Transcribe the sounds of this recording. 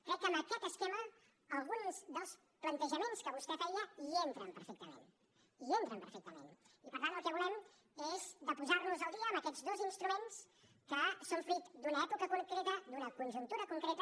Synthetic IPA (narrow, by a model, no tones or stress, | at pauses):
kɾɛkːəməkɛt̪əskɛmə | əlˠɣunzðəlˠs | plənt̪əʒəmenskəβust̪ɛfɛəient̪ɾəmpəɾfɛk̚t̪əmḛn | ient̪ɾəmpəɾfɛk̚t̪əmḛnipəɾt̪anəlˠkɛβulɛm | ezd̪əpuzaɾnuzəlˠd̪iəːmbəkɛzðozinst̪ɾumens | kəsoɱfɾit̪d̪unəɛpukəkuŋkɾet̪əd̪unəkunʲʒunt̪uɾəkuŋkɾet̪